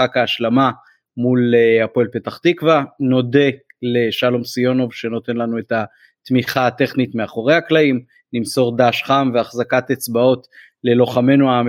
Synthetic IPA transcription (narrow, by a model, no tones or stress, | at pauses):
akaːʃlama | muleapoelpe̞taχt̪ikvano̞de̞leʃalo̞msio̞no̞vʃe̞no̞t̪e̞nlanue̞ta | t̪miχat̪e̞χnit̪meaχo̞ʁe̞jhaklaim | nimso̞ʁd̪aʃχamveaχzakatet͡sbao̞t̪ | le̞lo̞χame̞nuam